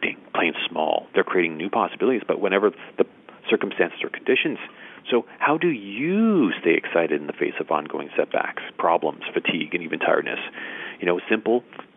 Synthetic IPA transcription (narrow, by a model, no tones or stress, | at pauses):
ɾɪ̰̃ŋpʰl̥ẽɪ̃nz̥smɔ̰lˠðə˞kʰɹ̥ieɪɾɪ̃ŋnʉpʰɑsəbɪlˠəɾizbʌ̰ʔ̚wə̃ñɛvə˞ðɨ | sɜ˞km̩stæ̃nsɨz̥ə̰˞kʰn̩dɪʃɨ̃nz̥soʊhaʊdɨjɨsteɪɨ̰ksaɪɾɨɾn̩ðɨfeɪsʌvɑ̰̃nɡoʊɪ̃ŋsɛt̚b̥æ̰kspʰɹ̥ɑblə̰̃mz̥fɨtʰiɡɨ̃nivɨ̃ntʰaɪə˞dⁿnɨ̰sjɨnoʊsɪ̃mpl̩ˠ